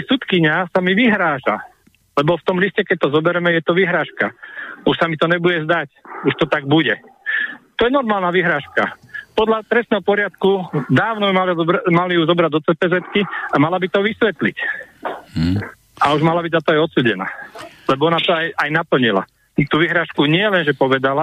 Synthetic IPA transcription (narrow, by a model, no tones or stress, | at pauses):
sut̪kiɲasamiʋiɦɾaːʒa̰ | lɛbɔft̪ɔmliscɛkɛc̚t̪ɔzɔbɛɾɛmɛjɛt̪ɔʋiɦɾaːʃkauʃsamit̪ɔɲɛbuɟɛzd̪acuʃt̪ɔt̪aɡ̚buɟɛ | t̪ɔjɛnɔɾmaːlnaʋiɦɾaːʃka̰pɔd̪ʎat̪ɾɛsnɛːɦɔpɔɾɪat̪kud̪aːʊnɔimalmalijuzɔbɾaɟd̪ɔtt͡sɛpɛzɛt̪kiamalabit̪ɔʋisʋɛt̪lic | ʔauʒmalabiɟzat̪ɔajɔt̪suːɟɛna̰ː | lɛbɔɔnat̪ɔajʔajnapl̩ɲila̰ | t̪uːʋiɦɾaːʃkuɲɪɛlɛnʒɛpɔʋɛd̪ala